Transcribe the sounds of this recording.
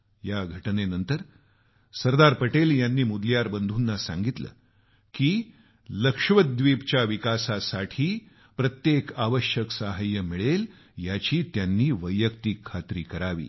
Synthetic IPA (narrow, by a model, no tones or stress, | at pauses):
jaɡʱəʈnenənt̪əɾ | səɾd̪aɾpəʈeljanːiːmud̪ljaɾbənd̪ʱuːnːasa̰ŋɡit̪lə̰ː | kiː | ləkʂʋəd̪ʋiːpt͡ɕjaʋikasasaʈʰiː | pɾət̪jekaʋəɕjəksaɦajːəmiɭel | jat͡ɕiːt̪janːiːʋəjːəkt̪ikʰːat̪ɾiːkəɾaʋḭː